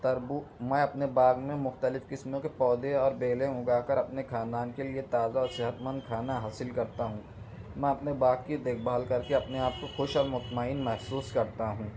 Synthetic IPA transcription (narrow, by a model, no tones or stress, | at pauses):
t̪ɐɾbumɛ̃ɐpnebaːɡmẽmʊxt̪əlɪfkɪsmõkepɔːd̪eɔːɾbeːlẽʊɡaːkɐɾɐpnexãːnd̪aːnkeliet̪aːzaɔːɾsɪɦət̪mə̃nd̪̚kʰaːnaɦaːsɪlkɐɾt̪aɦũː | mɛ̃ɐpnebaːɡ̚kid̪eːk̚ʰbaːlkɐɾkeɐpneaːp̚koxʊʃɔːɾmʊt̪maːiːnmɛɦsuːskɐɾt̪aɦũː